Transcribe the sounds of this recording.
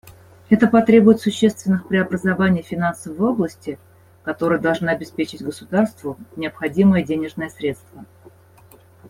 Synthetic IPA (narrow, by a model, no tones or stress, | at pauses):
ɛt̪əpɐt̪ɾʲe̞bʊjɪt̪sʊɕːe̞st̪vʲɪnːɨxpɾʲɪɐbɾəzɐvanʲɪjfʲɪnansəvəoblˠəsʲtʲɪ | kɐt̪o̞ɾəjəd̪ɐlˠʐnaɐbʲɪspʲet͡ɕɪtʲɡəsʊd̪arst̪vʊnʲɪəpxɐdʲiməjədʲenʲɪʐnɨjəsɾʲe̞t̪st̪və